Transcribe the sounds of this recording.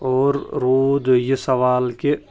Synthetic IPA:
ɔːɾːoːd̪jesɐʋaːlke

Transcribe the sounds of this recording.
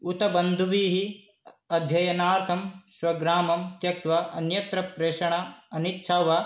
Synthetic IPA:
ut̪ɐbɐnd̪ʱuʋiːɦi | ɐd̪ʱjɐjɐnaːɾt̪ʰɐmʃʋɐɡɾaːmɐmt̪jɐk̚t̪ʋɐɐnjɐt̪ɾɐpɾeːʃɐɳɐɐnitːʃʰaːʋɐ

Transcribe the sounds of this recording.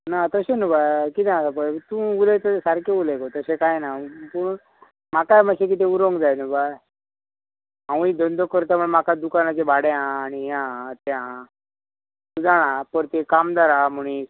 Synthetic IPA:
nat̪əsenubakit̪aapət̪ũulet̪əsaɾkeulekot̪əsekajnapəɳ | makajmaɕek̬it̪̬ẽuɾõŋɡd͡zajnuba | ɦãwid̪ənd̪okəɾt̪̬amuɭemakad̪ukanat͡sebaɽjãːñiɦãt̪eã | t̪ud͡zaɽ̃ãpəɾt̪ekamd̪aɾamuɳi

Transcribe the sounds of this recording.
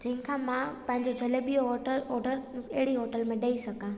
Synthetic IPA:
d͡ʑɐ̃ɦɪ̃kʰãːmãpɐ̃ɦɪ̃ɲd͡ʑod͡ʑʱɐlebioɦəɔːɖəɾɐɦɪɽiɦoːʈəlmẽɗɐisɐɡã

